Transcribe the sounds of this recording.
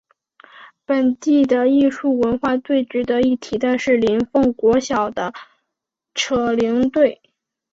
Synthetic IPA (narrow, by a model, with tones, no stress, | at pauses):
pə˨˩nt̪i˥˩d̪ə˩i˥˧ʂu˥˩wə˧˥nxwa˥˧t̪we˥˩ɪʈ͡ʂɻ̩˧˥d̪ə˧˦i˥˩t̪ʰi˧˥t̪a˥˧ʂɻ̩˥˩li˧˥nfɤ˥˩ŋkwɔ˧˥ɕjɑ˨˩ʊd̪ə˦ | ʈ͡ʂʰɤ˨˩li˧˥ŋt̪we˥˩ɪ